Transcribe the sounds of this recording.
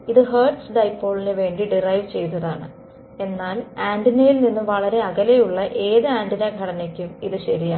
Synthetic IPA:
iðɨɦeːrʈsɖɐjpːo̞ːɭineʋe̞ːɳɖiɖirɐjʋt͡ɕe̞jnːɐðaːɳɨ | e̞nːaːlaːndinɐjilninːɨʋɐɭɐɾe̞ɐɣɐle̞juɭːɐʔe̞ːðɨaːndinɐɡʱɐɽɐnekʲːumiðɨɕɐɾija

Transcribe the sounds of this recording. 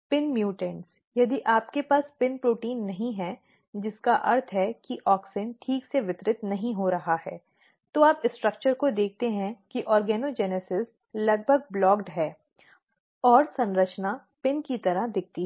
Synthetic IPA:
pɪnmjuːʈə̃ns | jɐd̪iʔaːpkepaːspɪnpɾoːʈiːnːɐɦĩɦɛ | d͡ʒɪskaʔɐɾt̪ʰɦɛkiʔɔːksɪnʈʰiːkseʋɪt̪ɾɪt̪nɐɦĩɦoɾɐɦahɛː | t̪oːaːpɪsʈɾɐk̚t͡ʃəɾkod̪eːk̚ʰt̪eɦɛ̃kiʔɔːɾɡɛːnod͡ʒɛːnesɪs | lɐɡ̚bʱəɡ̚blɔːkɖɦɛː | ɔːɾsɐ̃nɾət͡ʃna | pɪnkit̪ɐɾaɦd̪ɪk̚ʰt̪iɦ

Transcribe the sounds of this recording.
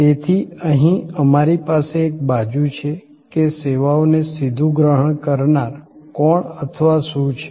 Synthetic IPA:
t̪et̪ʰiəɦĩəmaɾipaseːk̚bad͡ʒũt͡ʃʰe | keseʋaonesid̪ʱũɡɾəɦəɳ̃kəɾnaɾkɔɳət̪ʰəʋasũt͡ʃʰe̥

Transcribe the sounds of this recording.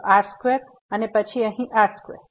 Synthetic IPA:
ʔaɾskʋep | ənepət͡ʃʰiəɦĩʔaskʋḛp

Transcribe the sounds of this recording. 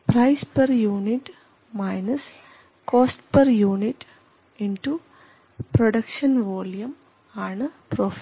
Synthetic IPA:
pɾɐjspɐɾjuːniʈ | mɐjnɐs | koːsʈpɐɾjuːniʈ | inʈu | pɾoɽɐkʂɐnʋoːljɐm | aːɳɨpɾoːf

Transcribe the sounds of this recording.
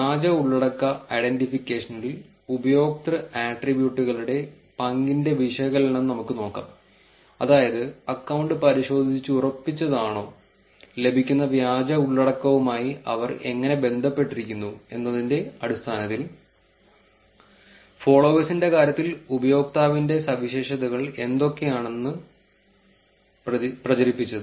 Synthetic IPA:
ʋjaːd͡ʑɐuɭːɐɽɐkːɐɐjɖenʈifikʲːeːʂɐnɐlil | ubɐjo̞ːk̚t̪rɐaːʈribjuːʈːuɣɐɭuɽe̞ | pɐŋɡinde̞ʋiʂɐɣɐlenɐnnɐmukːɨno̞ːkːa̰ːm | ɐ̰ðaːjɐðɨɐkːɐwɳɖɨpɐɾiɕo̞ːd̪ʱit͡ɕːɨurɐpːit͡ɕːɐðaːɳo̞ː | le̞bʱikʲːunːɐʋjaːd͡ʑɐuɭːɐɽɐkːɐʋumaːjiɐ̰ʋɐre̞̰ŋːɐne̞be̞nd̪ʱɐpːe̞ʈːiɾikʲːunːue̞̰nːɐðinde̞ɐɽist̪ʰaːnɐt̪ːil | fo̞ːɭoːʋɐsinde̞kaːɾjɐt̪ːilubɐjo̞ːk̚t̪aːʋinde̞sɐʋiɕe̞ːʂɐðɐɣɐɭe̞nd̪o̞kːe̞jaːɳe̞nːɨ | prɐt͡ɕɐɾipːit͡ɕːɐðɨ

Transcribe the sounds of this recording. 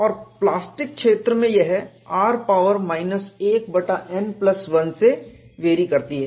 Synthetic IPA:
ɔːɾplaːsʈɪk̚ʃeːt̪ɾəmẽjɐɦɛ | aːɾpaːʋəɾmaːɪnəseːkbɐʈaʔɛnplɐsʋɐ̃nseʋeːɾikɐɾt̪iɦɛː

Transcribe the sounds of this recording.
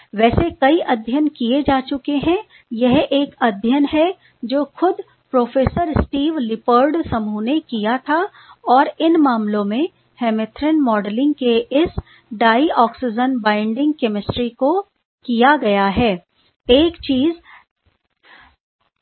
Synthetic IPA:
ʋɛːsekɐiʔɐd̪ʱjənkied͡ʒaːt͡ʃʊkeɦɛ̃ | jɐɦeːkɐd̪ʱjənɦɛ | d͡ʒoːxʊd̪ | pɾoːfeːsəɾsʈiːʋlɪpəɾɖsɐmuːnekijat̪ʰa | ɔːɾɪnmaːmlõmẽ | hɛːmɪt̪ʰɾənmɔːɖlɪ̃ŋɡkeʔɪs | ɖaːiɔːksɪd͡ʒənbãːɪ̃ɳɖɪ̃ŋɡkɛmɪsʈɾiko | kijaɡɐjaɦɛː | eːkt͡ʃiːz

